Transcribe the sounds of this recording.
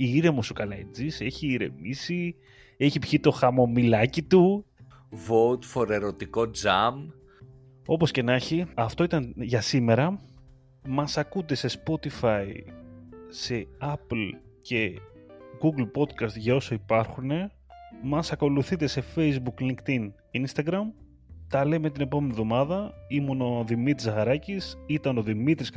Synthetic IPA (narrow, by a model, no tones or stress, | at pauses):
iiɾe̞mosukɐlɐḛd͡zise̞çiːɾe̞̰misi | e̞çipçit̪o̞xɐmo̞milɐcit̪u | vot̪fo̞ɾe̞ɾo̞t̪iko̞d͡zɐm | o̞po̞sce̞nɐçiɐft̪o̞it̪ɐnʝɐsime̞ɾɐ | mɐsɐkut̪e̞se̞spo̞t̪ifɐi | se̞ɐplce̞ | ɡuɡlpo̞d̪kɐst̪ʝɐo̞soipɐɾxune̞ | mɐsɐko̞luθit̪e̞se̞fe̞jzbukliŋkt̪in | inst̪ɐɡɾɐm | t̪ɐle̞me̞t̪ine̞po̞me̞nivðo̞mɐðɐimuno̞ðimit̪ɾizɐɣɐɾɐcisit̪ɐno̞ðimit̪ɾis